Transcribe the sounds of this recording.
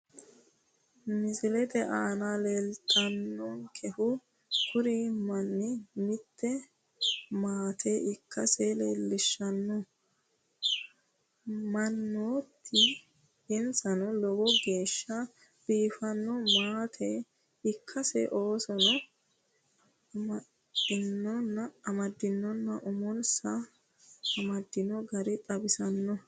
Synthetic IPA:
mɪzɪlɛd̪ɛʔaːnaleːlt̪ʼɐnːɔŋkʰɛhʊ | kʰʊɾimɐnːɪmɪt̪ːɛ | maːt̪ʰeʔɪkʰːɐseleːlːɪʃːɐnːɔ | mɐnːoːt̪ʰːɪ | ɪnsɐnɔlɔbɔɡe̞ːʃːɐ | b̥iːfɐnːɔmaːt̪ʰe | ɪkʰːɐsɛ̰ʔo̞ːsɔnɔ | mɐd | ɪnːɔnːɐːmɐd̪ːɪnːɔnːɐʔʊmɔnsɐ | ɐmɐd̪ːɪnɔɡɐɾɪt̪ʼɐbɪsɐnːɔ

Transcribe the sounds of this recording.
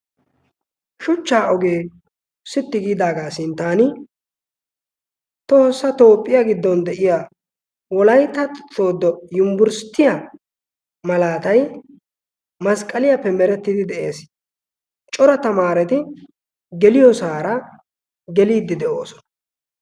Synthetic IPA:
ʃʊt͡ʃːaːʔɔɡe̞ː | sɪt̪ːɪɡiːd̪aːɡaːsɪnt̪aːnɪ | t̪oːsːɐt̪o̞ːpʼːɪjaɡɪd̪ːɔnd̪ɛʔɪja | wɔlɐjt̪ɐt̪ʼɪt͡sʼːo̞ːd̪ːɔjʊmbʊɾst̪ːɪja | mɐlaːt̪ɐj | mɐskʼɐlɪjɐpːɛmɛɾɛt̪ːɪd̪ɪd̪ɛʔe̞̰ːs | t͡ʃʼɔɾɐt̪ɐmaːɾɛt̪ɪ | ɡɛlɪjɔsaːɾɐ | ɡɛliːd̪ːɪd̪ɛʔo̞ːsɔ̥nɐ̥

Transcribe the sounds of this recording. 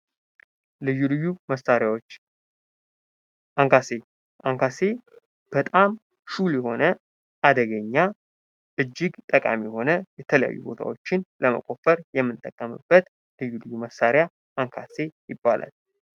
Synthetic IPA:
lɨjulɨjuməsaɾjawot͡ʃː | aŋkase | ʔaŋkase̞ | b̥ət̪ʼam | ʃuljɛho̞nə | ʔad̪əɡəɲːa | ʔɨd͡ʒːɪɡt̪ʼəkʼa̰miho̞nəjɛt̪ʰələja̰jːṵbo̞̰t̪ʰa̰wo̞t͡ʃːɪnləmə̰kʼo̞fəɾjɛmːɨnt̪ʼəkʼːəmɨ̰bːət̪ | lɨjulɨjːuməsaɾɪja | ʔaŋkʰase̞jɪbːa̰lʔa̰l

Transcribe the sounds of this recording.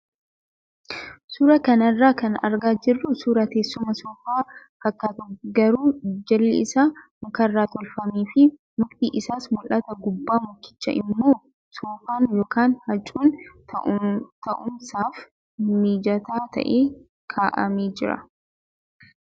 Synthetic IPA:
suːɾɐkɐnɐrːaːkɐnɐ̰ɾɡaːd͡ʒɪrːʊsuːɾɐt̪eːsːʊmɐsɔːfaːfɐkːat̪ɔɡɐɾuːd͡ʒɐlːɪ̰ɪsaːmɐkɐrːaːt̪ɔlfɐmiːfɪ | mʊɡt̪iːʔɪsaːsmʊlʔɐt̪ɐɡʊbːaːmʊkːɪ̥t͡ʃːɐ̰ʔɪmːo̞ː | soːfaːnjoːkaːnhɐt͡ʃʼuːn | t̪ɐʔʊmsaːf | miːd͡ʒɐt̪aːt̪ɐ̰ʔeː | kʰaːʔɐ̰meːd͡ʒɪɾɐ̰

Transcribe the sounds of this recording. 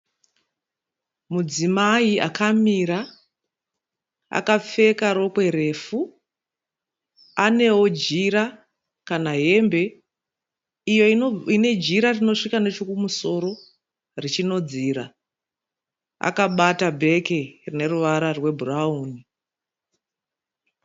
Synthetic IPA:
mud͡zimaia̰kamiɾa | a̰kap͡fe̞kaɾo̞kwe̞ɾe̞fu | ane̞wo̞d͡ʒiɾa | kanaɦe̞mbe̞ | ijo̞ine̞d͡ʒiɾarino̞ʂikane̞t͡ʃokumuso̞ɾo̞ | rit͡ʃino̞d͡ziːɾa | a̰kaɓatabʱe̞kerine̞ruʋaɾarwe̞bʱurauːni

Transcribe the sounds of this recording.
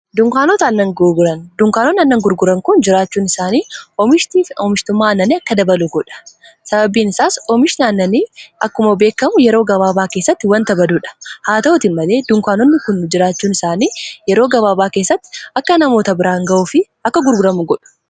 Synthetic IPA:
d̪ʊŋkaːnɔt̪aːnːɐŋɡʊɾɡʊɾɐnd̪ʊŋkaːnɔnɐnːɐŋɡʊɾɡʊɾɐŋkʊnd͡ʒɪɾaːt͡ʃːuːnɪsaːniːɔmɪʃtiːɔmɪʃt̪ʊmːaːnːɐniɐkːɐd̪ɐbɐluɡɔᶑɐ̥ | sɐbɐbiːnɪsaːsɔmɪʃɪnaːnːɐniːɐkːʊmɐbe̞ːkːɐmʊjɛɾo̞ːɡɐβaːbaːkeːsːɐt̪ːɪwɐnt̪ɐbɐd̪uːᶑɐ̥haːt̪ɐɔt̪iːnmɐle̞ːd̪ʊŋkaːnɔnːɪkʊnːd͡ʒɪɾaːt͡ʃːuːnɪsaːniːjɛɾo̞ːɡɐβaːbaːke̞ːsːɐt̪ːɪ̥ɐkːɐnɐmoːt̪ɐbɪɾaːŋɡɐʔuːfɪʔɐkːɐɡʊɾɡʊɾɐmʊɡɔᶑʊ̥

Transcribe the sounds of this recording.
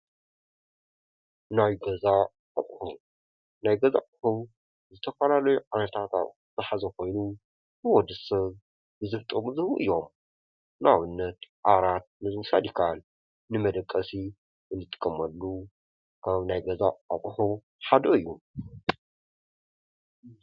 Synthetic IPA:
najɡɐza | atʼħu | najɡɐzaʔʼħu | zɨt̪ʰɐfɐlalɐjuʕanɐt̪ʰat̪a̰ | z̥ɨħazɐko̞jnu | bɨwɔd̪ɨsɐβ | bɨzɨft̪ʼɐmuzɨhʔɨ̰jːo̞m | nawɨnːɐt̪ʔaɾat̪̚nɨzwsa̰d̪ikʰal | nɨmɐd̪ɐkʼːɐsi | ɨnːɨt̪ʼɨ̥kʼːɐmɐlːu | kʰaβnajɡɐza̰a̰tʼħu | ħad̪oɨjːu

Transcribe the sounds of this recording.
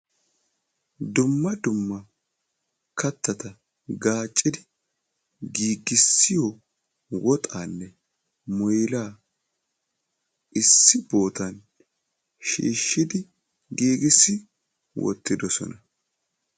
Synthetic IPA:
d̪ʊmːɐd̪ʊmːɐ | kɐt̪ːɐt̪ɐ | ɡaːt͡ʃʼːɪd̪ɪ | ɡiːɡɪsːɪjɔ | wɔt̪ʼaːnːɛ | mɔjlaː | ʔɪsːɪbo̞ːt̪ɐn | ʃḭːʃːɪd̪ɪ | ɡiːɡɪsːɪ | wɔ̰t̪ːɪd̪ɔsɔ̰nɐ

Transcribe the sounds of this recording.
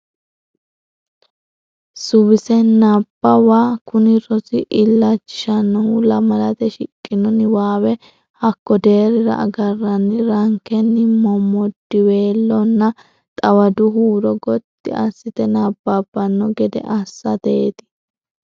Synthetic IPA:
sʊβɪsɛnɐbːɐwaːkʊnɪɾɔsɪʔɪlːɐt͡ʃːɪʃɐnːɔhʊlɐmɐlɐt̪ɛʃɪkʼːɪnɔnɪwaːwɛ | hɐkːɔd̪e̞ːɾɪɾɐ̰ɐ̰ɡɐrːɐnːɪɾɐŋkɛnːɪmɔmɔd̪ːɪwe̞ːlːɔnːɐ | t̪ʼɐwɐd̪ʊɦuːɾɔɡɔt̪ːɪ̰ɐ̰sːɪt̪ɛnabːabːɐnːɔɡɛd̪ɛ̰ʔɐsːɐd̪eːt̪ɪ̥

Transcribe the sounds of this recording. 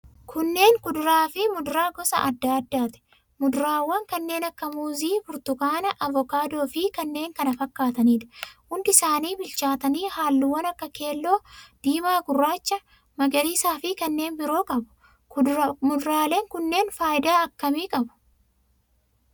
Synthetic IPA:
kʰʊnːe̞ːŋkʊd̪ʊɾaːfɪmʊd̪ʊɾaːɡɔsɐ̰ʔɐd̪ːaːɐd̪ːaːt̪ɛ̥ | mʊd̪ʊɾaːwːɐŋkɐnːe̞ːnɐkːɐmuːziːfʊɾt̪ʊkaːnɐʔɐvɔkaːd̪o̞ːfɪkɐnːe̞ːŋkɐnɐfɐkːaːt̪ɐniːᶑ̪ɐ̥hʊnd̪ɪɪsaːniːbɪlt͡ʃaːt̪ɐniːhaːlːʊwɐnɐkːɐke̞ːlːo̞ːd̪̥iːmaːɡʊrːaːt͡ʃːɐ | mɐɡɐɾiːsaːfɪkɐnːe̞ːnbɪɾo̞ːkʼɐbʊ̥ | mʊd̪ɾaːle̞ːŋkʊnːe̞ːnfaːjɪd̪aːɐkːɐmiːkʼɐbʊ̥

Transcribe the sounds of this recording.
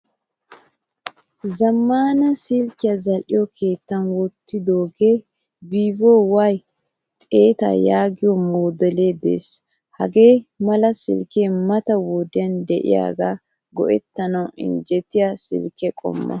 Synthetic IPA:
zɐmːaːnɐsɪlkɪjɐzɐlʔɪjɔkʰe̞ːt̪ːɐnwɔt̪ːɪd̪oːɡeː | biːboːwaj | t̪ʼe̞ːt̪a̰jaːɡɪjɔmoːd̪ɛleːd̪ḛːs | hɐɡe̞ːmɐlɐsɪ̰lkeːmɐt̪ɐwɔd̪ɪɐnd̪ɛʔɪ̰ja̰ːɡa̰ | ɡɔ̰ʔɛ̰t̪ːɐnɐwɪ̰nd͡ʒɛt̪ɪjasɪ̰lkɛkʼɔ̰mːɐ̰

